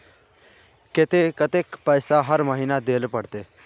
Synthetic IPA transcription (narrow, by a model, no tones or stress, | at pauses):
kɪt̪ekət̪eːkpəːsaɦəɾməɦiːnad̪eːlpəɽt̪eː